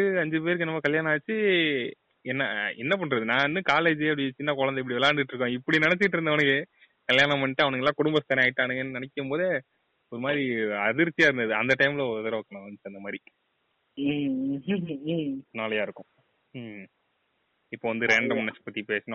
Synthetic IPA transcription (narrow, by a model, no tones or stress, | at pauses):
ɯɐɲd͡ʒɯp̬eːɾɯkːɯnːɐːmaːkɐljaːnat͡ʃːɯ | ɛnːɐɛnːɐp̬ɐɳːɾɐðɯnãːnːɯkaːleːd͡ʒɯɐpːɽɪt͡ʃːɪnːakɔɻɐnd̪ɐɪp̬ːɐɽiʋɛlaːnɖ̪ɪʈːɾɯkːõɪpːɐɽinɐnɛt͡ʃːɪkɪʈ̬ːɾɯnd̪ɐʋɐnɐkːɯ | kɐljaːnɐmɐnːɪʈːɯ̃ɐʋɐnɐkːɛlːaːkʊɽʊmbɐst̪ːɐɾɛ̃aːɪʈːaːnɯɡɐnːɯnɐnɛkːɯmpoːðe | ɔɾɯmaːd̪ɾiɐðɪɾt͡ʃːijaːɪɾɯnd̪ɐðɯɐnd̪ɐʈɐɪmɪlɐɔðɐɾɐʋɐkːɐɳõɐnt͡ʃɯɐnd̪ɐmaːd̪ɾi | naːlɐjaːɪɾɯkːʊ̃ | ɪpːoːʋɐnd̪ɯɾɛɳɖɐmɐnːɐspɐt̪ːipeːsɐnʊ̃